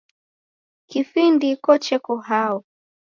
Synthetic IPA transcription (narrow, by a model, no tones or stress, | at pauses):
kifindikɔt͡ʃɛkɔɦaɔ